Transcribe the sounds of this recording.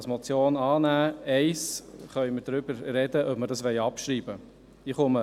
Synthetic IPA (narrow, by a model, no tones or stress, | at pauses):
smɔt͡sjoːnɑːnæːɛɪsχœʏməɾdɾʏbəɾrɛdəʔœpməɾdɑsʋɛjɑpʃɾiːbə | ɪχʊmə